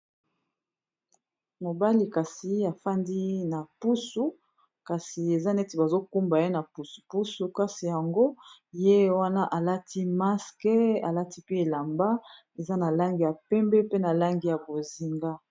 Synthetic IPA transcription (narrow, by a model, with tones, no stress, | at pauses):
mo˨ba˦li˨ka˨si˨a˨fa˦ndi˦na˨pu˦su˦ | ka˨si˨e˨za˦nɛ˦ti˨ba˨zo˦ku˦mba˨je˦na˨pu˨su̥˨pu˦su˨ka˦si˨ja˨ŋɡo˦je˦wa˦na˦ʔa˨la˦tʰi˦ma˦skɛ˦a˨la˦ti˦pe˦e˨la˨mba˦ | e˨za˦na˨la˦ŋɡi˨ja˨pɛ˦mbɛ˦pe˦na˨la˦ŋɡi˨ja˨bo˨zi˨ŋɡa˦